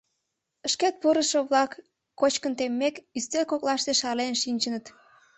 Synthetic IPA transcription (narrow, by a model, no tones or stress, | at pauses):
əʃket̪̚puɾəʃoβlɑkː | ot͡ɕkənt̪emːekyst̪elkoklɑʃt̪eʃɑlenʃinʲt͡ɕənət̪